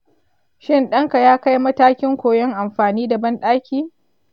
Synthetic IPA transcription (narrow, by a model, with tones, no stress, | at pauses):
ʃɪ˦nɗɐ˦ŋka˨jaː˦ka˦jmɐ˦taː˦kʲɪ˦ŋkʷoː˨jɔ˦ŋʔa˨mɸaː˨niː˦da˨bɐ˦nɗaː˦kʲiː˦